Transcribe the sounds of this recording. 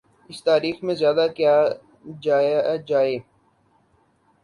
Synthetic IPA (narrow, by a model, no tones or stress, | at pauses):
ɪst̪aːɾiːxmẽzjaːd̪akjaː | d͡ʒaːd͡ʒaːeː